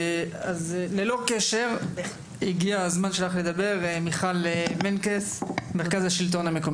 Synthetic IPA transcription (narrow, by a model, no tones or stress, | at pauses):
azlelo̞keʃe̞ʁ | iɡiazmanʃelaχled̪abe̞ʁmiχalmenkesmeʁkazaʃilt̪̬o̞nhame̞ko̞m